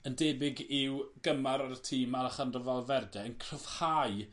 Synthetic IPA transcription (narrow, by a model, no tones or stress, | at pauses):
əndɛːbɪɡɪwɡ̥əmaɾaɾətʰiːmalaχandrəvɔlˠvɛrdɛənkʰrəv̥haɨ